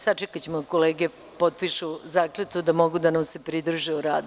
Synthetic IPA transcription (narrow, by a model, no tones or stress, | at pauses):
sad̪t͡ʃɛkat͡ɕemokoleːɡe | po̞t̪̚piʃuzaːklet̪ud̪amo̞ɡud̪anamse̞pɾid̪ɾuʒeuɾaːd̪